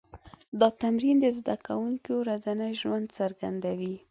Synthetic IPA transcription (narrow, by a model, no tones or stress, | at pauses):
d̪ɑt̪amɾind̪əzd̪akawuŋkowɾazanəjʒwand̪saɾɡa̰nd̪awi